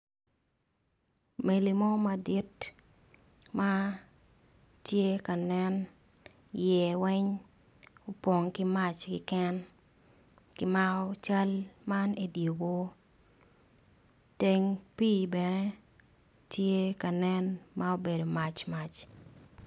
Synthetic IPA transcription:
me˨li˨mɔ˦ma˨di˦t | ma˦ | tje˦ka˨nɛ˦n | jɛ˨wɛ˦ɲ | o˨pɔ˨ŋkɪ˦ma˦t͡ʃkɪ̰˨kɛ˦n | kɪ˦ma˦ɔ˦t͡ʃa˦lma˦ne˦djo˨wo˦ | te˦ŋpiː˦bɛ˨ne˦ | tje˦ka˨nɛ˦nma˦o˦be˨do˨ma˨t͡ʃma˨t͡ʃ

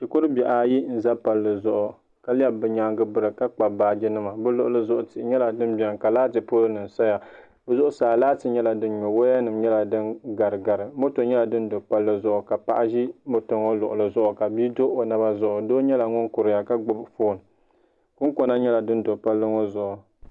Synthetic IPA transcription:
t͡ʃi˨ko˦ɾɨ˦bɛ˨ʔa˨˦ji˦n̩˦za˦pa˨lːɨ˨zʊ˨ʔʊ˨ | ka˦li˦ɛ˦bɨ˨ɲaː˨ŋɡɨ˦bɨ˦ɾɨ˨ka˦k͡pa˨baː˦d͡ʒɪ˦nɨ˦ma˨bɨ˦lʊ˨ʔʊ˨lɨ˦zʊ˦ʔʊ˨tɪ˨ɪ˨ɲɛ˦la˨dɨ˦n˦bɛ˨ŋ˨ka˨laː˦tɨ˨po˦lɨ˦nɨ˨n˨sa˦ja˨ | bɛ˦zʊ˦ʔʊ˦saː˨laː˦tɨ˨ɲɛ˦la˨dɨ˦n˦ɲɔ˨wo˦a˦nɨ˨mɲɛ˦la˨dɨ˦nɡa˨ɾɨ˨ɡa˨ɾɨ˨mo˦to˨ɲɛ˦la˨dɨ˦n̩˦do˨pa˦lːɨ˦zʊ˨ʔʊ˨ka˨pa̰˨ʔa˦ʒi˦mo˦to˨ŋo˦lʊ˨ʔʊ˨lɨ˨zʊ˦ʔʊ˨ka˨bi˦do˦ʔo˨na˦ba˦zʊ˦ʔʊ˨doː˦ɲɛ˦la˨ŋʊ˦ŋkʊ˨ɾɨ˨ja˨ka˦ɡ͡bʊ˦bfoː˦˨n˨ | kʊ˦ŋ˦ko˦na˦ɲɛ˦la˨dɨ˦n˦do˨pa˦lːɨ˦ŋo˦zʊ˨ʔʊ˨

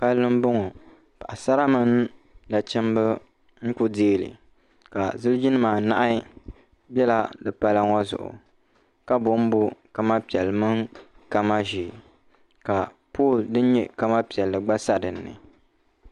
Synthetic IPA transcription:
pa˦lːɨ˦m˦bʊ˦ŋɔ˨ | pa˨ʔa˨sa˦ɾa˦mɨ˦n | da˨t͡ʃɛ˦m˦bɨ˦ | ŋ̩˦kʊ˦deː˦lɨ̰˨ | ka˨zɨ˦lɨ˦d͡ʒi˦nɨ˦maː˨na̰˦ʔa˦ | bɛ˦la˦dɨ˨pa˦la˦ŋɔ˦zʊ̰˨ʔʊ̰˨ | ka˦bʊ˨˦m̩˦bʊ˦ka˦ma˦pi˨ɛ˨lɨ˨mɨ˦ŋka˦ma˦ʒi˨ | ka˨ | poː˦˨ldɨ˦n˦ɲɛ˦˨ka˦ma˦pi˨ɛ˨lːɨ˨ɡ͡ba˦sa˦dɨ˨nːɨ̰˨

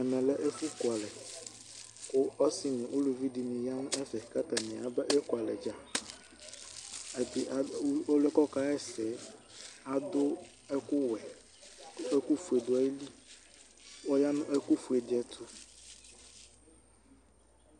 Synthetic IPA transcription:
ɛ˨mɛ̃˨lɛ˦ʔe˦fu˦kʊ˨a˨lɛ˨ | kʊ˦ɔ˦si˦ɲĩ˨ʔo˦lu˨vi˦di˨nĩ˨ja˦nʊ̃˦ʔɛ˦fɛ˨ka˦t̪a˨nĩ˨a˨bɛ˦ʔɛ˦kwa˨lɛ˨d͡ʒa˨˦ | ɛ˨bi˨o˦lɛ˦kɔ˦ka˦ɛ˦sɛ˨˦ | a˨d̪ʊ˦ | ɛ˦kʊ˦wɛ˨˦ | ɛ˦ku˦fu˨e˨d̪o˨a˦ji˦li˦ | wɔ˦ja˦nʊ̃˦ʔɛ˦ku˦fu˨e˨dɛ˦t̪ʰu˦

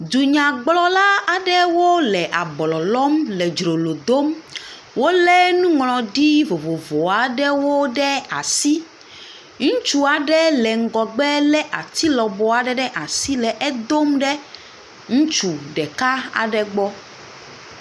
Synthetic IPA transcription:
d̪u˨ɲã˨ɡ͡blɔ˦la˦a˨ɖɛ˦wo˦lɛ˨ʔa˨blɔ˨lɔ˦mlɛ˨d͡ʒɾo˨lo˨d̪o˦m | wo˦lɛ˦nũ˦ŋlɔ̃˨ɖi˦vo˨vo˨vo˨a˨ɖɛ˦wo˦ɖɛ˦a̰˨si˦ | ŋũ˦t͡ʃu˦a˨ɖɛ˦lɛ˨ŋ̩˨ɡɔ˨ɡ͡bɛ˦lɛ˦ʔa˨t̪i˦lɔ˨bɔ˨a˨ɖɛ˦ɖɛ˦ʔa˨si˦lɛ˨ʔɛ˦d̪o˦mɖɛ˦ | ŋũ˦t͡ʃu˨ɖɛ˨ka˦a̰˨ɖɛ˦ɡ͡bɔ˦

